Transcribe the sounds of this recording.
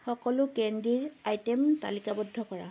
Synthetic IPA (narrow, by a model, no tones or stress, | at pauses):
xɔkɔlʊkɛndiɹajtɛmta̰likabɔdʱːɔkɔɹa̰